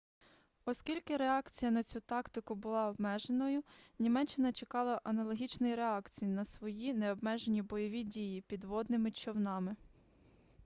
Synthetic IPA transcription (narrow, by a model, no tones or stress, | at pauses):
ɔskʲilʲkɪɾeɑkt͡sʲijɐnɐt͡sʲut̪ɑkt̪ɪkʊbʊlˠɑɔbmɛʒenɔjʊnʲimɛt͡ʃːɪnɐt͡ʃekɑlˠɐʔɐnɐlˠɔɦʲit͡ʃnɔjɾeɑkt͡sʲijinɐsʋɔjineɔbmɛʒenʲibɔjɔʋʲidʲijipʲid̪ʋɔd̪nɪmɪt͡ʃɔwnɑmɪ